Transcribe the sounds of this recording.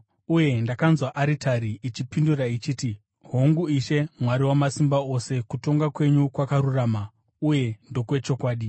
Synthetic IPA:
uje̞ndakanzwaʔaɾitʰaɾiːt͡ʃipindurait͡ʃiːti | ɦoŋɡuiʃe̞mwaɾiwamasimbaose̞kuto̞ŋɡakwe̞ɲukwakaɾuraːma | uje̞ndo̞kwe̞t͡ʃo̞kwaːɗi

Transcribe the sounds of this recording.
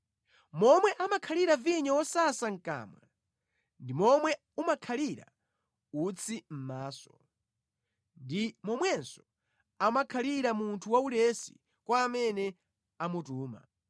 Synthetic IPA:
mɔmwɛʔamakʰaliɾaviɲawɔsasaŋ̩ka̰ːma̰ | ndimɔmwɛ | umakʰaliɾa̰ | ut͡sʰim̩maːsɔ̥ | ndimɔmwɛnsɔ | amakʰaliɾamuntʰuwaulɛsḭ | kwaːmɛnɛ | amutuːma̰

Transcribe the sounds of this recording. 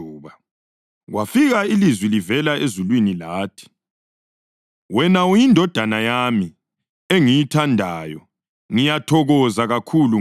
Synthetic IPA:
uːβa | ɣwafiɣailizwilivɛlaezulwinilaːtʰi̥ | wɛnaujindʱɔd̥ʱanajami | eŋijitʰandʱajɔ | ŋijatʰɔɣɔzaɣakʰulu

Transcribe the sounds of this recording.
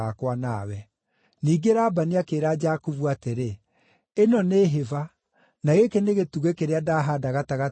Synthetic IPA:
akwanawɛ | niːɡeɾaːbaniakeːɾad͡ʒakuvuateɾe | enɔneːɦeva | naɣekɛneɣetuɣekeɾeadaːɦadaɣataɣa

